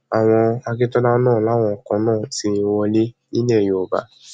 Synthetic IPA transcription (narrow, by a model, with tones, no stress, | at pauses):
a˨w̃ɔ̃˧a˧ki˦tɔ˦da˦nãː˦˨la˦˨w̃ɔ̃˧ɔ˨kã˨˧˦nãː˦˨ti˧wɔ˧le˦ | i˦nɛ˦˨jo˨o˨ba̰˨˦